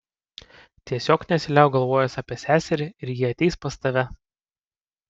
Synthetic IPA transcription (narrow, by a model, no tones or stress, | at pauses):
t̪ʲiɛsʲoːknʲɛsʲɪlʲæˑɡɐlˠʋoːjɛsɑːpʲiɛsʲæːsʲɛɾʲɪɪɾjɪɐt̪ʲɛɪspɐst̪ɐʋʲɛ